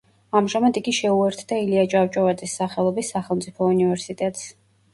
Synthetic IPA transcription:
amʒamad̪iɡiʃɛuɛɾt̪ʰd̪ailiat͡ʃʼawt͡ʃʼɔvat̪sʼisːaχɛlˠɔbisːaχɛlˠmt̪sʼipʰɔunivɛɾsit̪ʼɛt̪ʼs

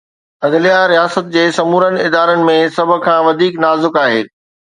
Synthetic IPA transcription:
ɐd̪lijaɾijaːsət̪̚d͡ʑeːsɐmuːɾənɪ̆ɪd̪aːɾənɪ̆mẽsɐbʱʊ̆kʰãːʋɐd̪ʱiːknaːzɪkaːɦḛː

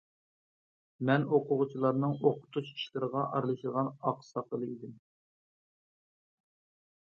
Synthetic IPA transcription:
mɛnoqʰʊʁʊt͡ʃʰilˠɑɾnɨŋoqʰʊ̥t̪ʰuʃi̥ʃlˠɨɾəʁɑʔɑɾlˠɨʃəʁɑnɑqsɑqʰəlˠɨid̪ɪm

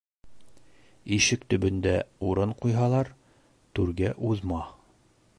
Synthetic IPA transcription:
iʃɘkt̪ɵ̆bɵ̆nd̪æuɾɤɴqujɦɑlˠɑɾ | t̪ʉɾɡæʔuðmɑ

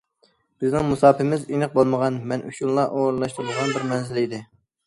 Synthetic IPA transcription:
b̥ɪznɪŋmusɑːpɪmɪzinɨq̚bolˠməʁɑnmɛnʔṵʃunlˠɑʔoɾɨlˠɑʃt̪ɨɾɨlˠʁɑnbɪɾmɛnzɪlid̪ɪ

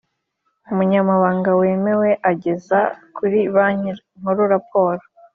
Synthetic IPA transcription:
umuɲamaβaːŋɡaweːme̞weʔaɟe̞zakuɾiβaɲi | ŋ̥oɾuɾap̚o̞ːɾo

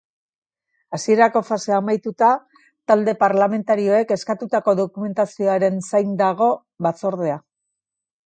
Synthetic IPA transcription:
asie̞ɾako̞fase̞amajt̪ut̪a | t̪ald̪e̞paɾlame̞nt̪aɾio̞e̞ke̞skat̪ut̪ako̞ðo̞kume̞nt̪asio̞aɾe̞nsajnd̪aɣ̞o̞ | βat͡so̞ɾð̞e̞a

